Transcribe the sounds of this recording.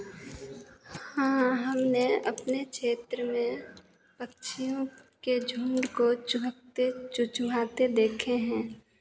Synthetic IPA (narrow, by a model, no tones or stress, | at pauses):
hãːɦəmneə̰pnekʃeːt̪ɾəmẽ | pəkʃijõked͡ʒʱũnd̪kot͡ʃʊt̪et͡ʃʊt͡ʃʊmʱaːt̪ed̪eːkʰeɦɛ̃ː